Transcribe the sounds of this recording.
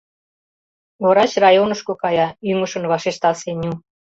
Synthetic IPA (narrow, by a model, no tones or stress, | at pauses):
βoɾɑɕrɑjonə̆ʃkokɑjɑyŋəʃə̆nβɑʃeʃt̪ɑsenʲu